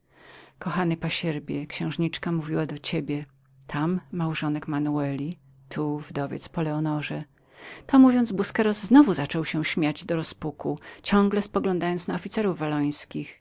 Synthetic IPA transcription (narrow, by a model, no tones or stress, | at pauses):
kɔxanɘpaɕɛɾbʲjɛkɕɛ̃w̃ʐɲit͡ʂkamuvʲiwad̪ɔt͡ɕebʲjɛ | t̪ʰamːawʐɔnɛkmanuɛlʲi | t̪ʰuvd̪ɔvʲjɛ̰t̪spɔlɛɔnɔʐɛ | t̪ɔmuvʲjɔnd̪zbuskɛɾɔzːnɔvuzat͡ʂɔwɕɛ̃ɕmʲjad͡ʑd̪ɔɾɔspukut͡ɕɔŋɡlɛspɔɡlɔ̃nd̪ajɔnt̪snaɔfʲit̪sɛɾuvːalɔj̃skʲix